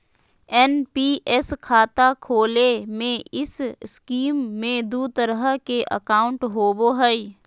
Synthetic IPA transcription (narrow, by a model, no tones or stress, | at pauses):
ɛnpiːʔɛskʰaːt̪akʰoːlemẽɪsskiːmːẽd̪uːt̪əɾɦəkeʔə̰kaːʊ̃ɳʈɦoːboɦəi